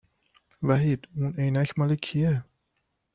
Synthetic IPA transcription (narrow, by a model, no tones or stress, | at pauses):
væɦid̪unejnæcʰmɒːlekʰie